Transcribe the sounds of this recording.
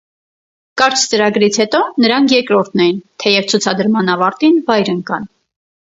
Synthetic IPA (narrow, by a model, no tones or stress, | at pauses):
kɑɾt͡ʃʰt͡səɾɑɡɾit͡sʰhɛt̪ɔnəɾɑŋkʰjɛɾkɾɔɾt̪̚ʰnɛjint̪ʰɛjɛvt͡sʰut͡sʰɑd̪əɾmɑnɑvɑɾt̪invɑjɾəŋkɑn